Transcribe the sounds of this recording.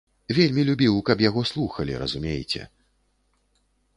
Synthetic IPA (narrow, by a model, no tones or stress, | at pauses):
vʲelʲmʲilʲubʲiwkɐpjaɣɔslˠuxɐlʲḭɾɐ̰zumʲejt͡sʲɛ̰